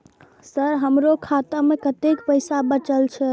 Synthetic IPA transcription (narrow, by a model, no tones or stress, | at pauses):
səɾɦəmɾokʰat̪əmekət̪ekpəɪsabət͡ʃəlt͡ʃʰɛ